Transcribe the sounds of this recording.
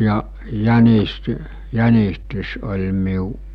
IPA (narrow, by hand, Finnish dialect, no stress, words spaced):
jɑ jænist jænistys olʲ miu